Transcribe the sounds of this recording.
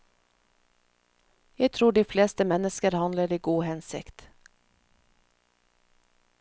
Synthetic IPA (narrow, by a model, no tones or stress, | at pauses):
jæɪt̪ʰɾuːɖiːfleːst̪əmɛnəskəɾhɑnləɾiːɡuːhɛnsɪ̰kt̪